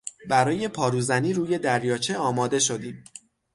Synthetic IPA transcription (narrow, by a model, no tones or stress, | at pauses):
bæɾɒːje̞pʰɒːɾuːzæniːɾuːje̞d̪æɾjɒːt͡ʃʰe̞ɒːmɒːd̪e̞ʃo̞d̪iːm